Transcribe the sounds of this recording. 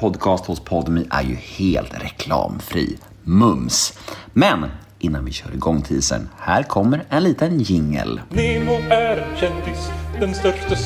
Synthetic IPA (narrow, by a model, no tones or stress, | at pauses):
pʰɔd̪kʰɑːst̪hʊspʰɔd̪əmiːʔæ̰ɾjɵheːlt̪ɾɛkʰlɑ̰ːmfɾḭː | mɵmsmɛn | ʔɪnːanvɪɕœːɾɪɡɔŋːt̪ʰiːsə̰nhæːɾkʰɔmːəɾɛnliːt̪ənjɪŋːə̰lnɪmoæɾɕɛnd̪ɪsd̪ɛnst̪œʂʈa